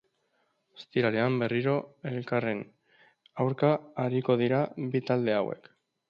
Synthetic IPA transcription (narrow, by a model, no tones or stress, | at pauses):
est̪iɾaɾeambe̞riɾo̞e̞lkare̞n | awɾkaːɾiko̞ðiɾabit̪ald̪e̞awe̞̰k